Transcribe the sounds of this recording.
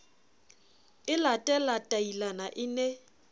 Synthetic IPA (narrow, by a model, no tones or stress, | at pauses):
ɪlatʼɛlatʼailanaʔɪne